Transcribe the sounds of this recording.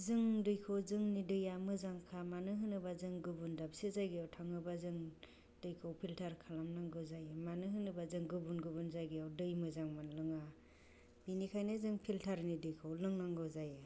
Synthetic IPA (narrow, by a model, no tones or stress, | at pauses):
zɯŋdɯjkʰowzɯŋnidɯjamɯzaŋkʰamanɯɦɯnɯbazɯŋɡɯbundabsezajɡijawtʰaŋɯbazɯŋ | dɯjkʰowpʰiltʰaɾkʰalamnaŋɡɯzajmanɯɦɯnɯbazɯŋɡɯbunɡɯbunzajɡɯawdɯjmɯzaŋmanlɯŋa | binikʰajnɯzɯŋpʰiltʰaɾnidɯjkʰawlɯŋnaŋɡɯzajɯ